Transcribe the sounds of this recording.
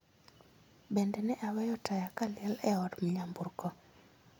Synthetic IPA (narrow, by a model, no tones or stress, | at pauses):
bɛndɛnɛʔawɛjɔtajakaljɛlɛɔɾmiɲamburkɔ